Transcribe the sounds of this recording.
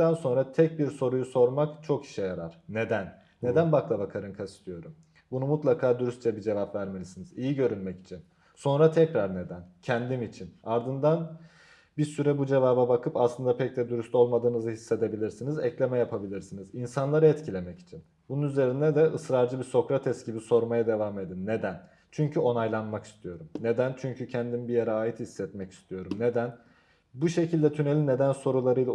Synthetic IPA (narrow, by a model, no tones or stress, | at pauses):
ænso̞nɾat̪ʰɛc̚biɾso̞ɾujuso̞ɾmakt͡ʃʰo̞kʰi̥ʃɛjaɾaɾ̥ne̞d̪ænː | e̞d̪ænbaklˠabakʰaɾɯnkʰast̪ʰijo̞ɾum | bunumut̪lˠakʰaːd̪uɾyst̪̚t͡ʃʰɛbid͡ʒe̞vapvæɾmelʲisinizijiɟø̞ɾynmɛci̥t͡ʃʰin | so̞nɾat̪ʰɛcɾaɾne̞d̪æncʰɛnd̪imit͡ʃʰinaɾd̪ɯnd̪an | biɾsyɾɛbud͡ʒe̞vaːbabakʰɯpaslˠɯnd̪apʰɛc̚d̪ɛd̪uɾyst̪ʰo̞lˠmad̪ɯːnɯzɯhisːe̞d̪e̞bilʲiɾsinizɛclʲe̞mɛjapʰabilʲiɾsinizinsanlˠaɾaɛt̪cʰilʲe̞mɛci̥t͡ʃʰin | bununyze̞ɾind̪ɛd̪ɛʔɯsɾaɾd͡ʒɯbiɾso̞kɾat̪ʰɛsɟibiso̞ɾmajad̪e̞vaːme̞d̪inːe̞d̪æn | t͡ʃʰyɲcʰyo̞najlˠanmaki̥st̪ʰijo̞ɾumne̞d̪ænt͡ʃʰyɲcʰycʰɛnd̪inbijeɾɛaːjit̪hisːɛt̪mɛci̥st̪ʰijo̞ɾumne̞d̪æn | buʃe̞cilʲd̪ɛt̪ʰyne̞lʲinːe̞d̪ænso̞ɾulˠaɾɯjlˠa